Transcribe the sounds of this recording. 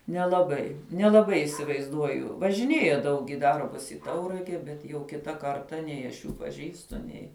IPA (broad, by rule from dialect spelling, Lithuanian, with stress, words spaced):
nʲɛlˠɐˈbɐɪ nʲɛlˠɐˈbɐɪ ɪsʲɪʋɐɪzˈduɔjʊ ʋɐʒʲɪˈnʲeːjɛ ˈdɐʊk ɪ ˈdɐrbʊs ɪ ˈtɐʊrɐɡʲɛ ˈbʲɛt jɛʊ ˈkʲɪtɐ ˈkɐrtɐ ˈnʲɛɪ ɐʃ ˈjuː pɐˈʒʲiːstʊ ˈnʲɛɪ